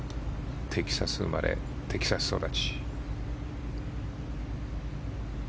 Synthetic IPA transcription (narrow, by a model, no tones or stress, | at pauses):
t̪ʰe̞kʲi̥sasɨɯma̰ɾe̞̰ | t̪ʰe̞kʲi̥sasɨ̥so̞d̪at͡ɕi̥